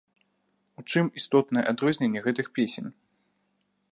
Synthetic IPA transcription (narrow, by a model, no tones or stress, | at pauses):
ut͡ʂɨmist̪ɔt̪nɐjɛʔad̪ɾɔzʲnʲenʲːɛɣɛt̪ɨxpʲesʲenʲ